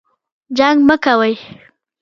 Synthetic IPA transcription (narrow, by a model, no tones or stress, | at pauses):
d͡ʒaŋɡməkawəj